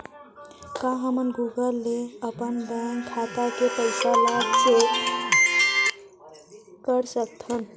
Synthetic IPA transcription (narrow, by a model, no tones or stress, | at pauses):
kaɦəmənɡuɡəlːeəpənbəŋɡkʰat̪akepəɪsalaɡse | kəɾsək̚t̪ʰən